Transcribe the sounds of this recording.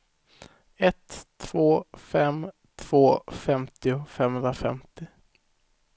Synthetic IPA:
ɛt̪ʰːv̥oːfɛm | t̪ʰv̥oːfɛmt̪ɪʊfɛmhɵnɾafɛ̰mt̪ɪ

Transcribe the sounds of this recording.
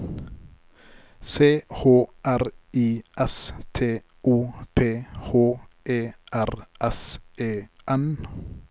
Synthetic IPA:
seːhoːʔæɾiːʔɛst̪ʰeː | uːpʰeːhoːʔeːʔæɾʔɛsʔeːʔɛn

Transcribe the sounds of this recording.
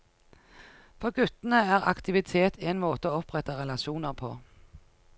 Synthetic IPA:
fɔʁɡʉt̪n̩əæːʁɑ̰kt̪ɪʋɪt̪ʰeːt̪iːɛɪnmoːt̪əoːɔpʁɛt̪əʁɛlɑʃuːnəʁpʰo̰ː

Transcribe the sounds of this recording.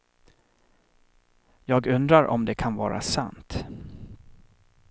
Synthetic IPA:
jɑːɡɵnd̪ɾaɾʔɔ̰md̪ɛkʰanvɑ̰ːɾa̰sa̰nt̪

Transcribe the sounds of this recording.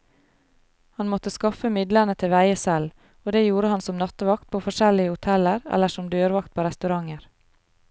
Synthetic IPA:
hɑnmɔt̪əskɑfəmɪd̪lənət̪ʰɪʋæɪəsɛl | oːd̪eːjuːɾəhɑnsɔmnɑt̪ʋɑk̚t̪̚pʰoːfɔʃɛlɪəhʊt̪ʰɛləɾɛ̰lːəʂɔmd̪øːɾʋɑkt̪̚pʰoːɾɛst̪ʉɾɑŋəɾ

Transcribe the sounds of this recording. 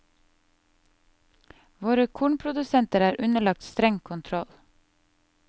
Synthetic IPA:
ʋoːɾəkʰuːɳpʰɾʊd̪ʉsɛnt̪əɾæːɾʔʉnəɭɑk̚t̪st̪ɾɛŋkʰʊnt̪ʰɾɔl

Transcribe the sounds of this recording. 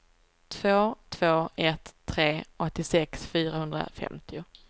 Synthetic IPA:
t̪ʰvoːt̪ʰv̥oːɛt̪ʰːɾeːɔt̪ːɪsɛksfyːɾahɵnd̪ɾa̰fɛ̰mt̪ʰɪʊ

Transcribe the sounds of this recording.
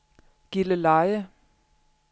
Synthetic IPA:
ɡ̥iləlɑɪə

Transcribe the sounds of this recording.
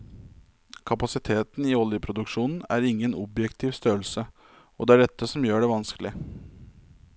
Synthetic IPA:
kʰɑpɑsɪt̪ʰeːt̪n̩ɪɔljəpʰɾʊd̪ʉkʂuːnn̩æ̰ɾɪŋːənɔbjɛkt̪ʰiːʋst̪øːəlsə | ɔd̪ɛæɖɛt̪ːəsɔmjøːɖɛʋɑnskəlɪ

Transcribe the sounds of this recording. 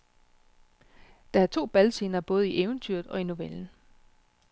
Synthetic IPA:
d̥ɑ̈æɐt͡sʰo̝̰ːb̥ælse̝ːnɐb̥ɔ̽ːð̞̩ˠiʔeːʊnt͡sʰyɐðˠɒ̽ino̝ʋeln̩

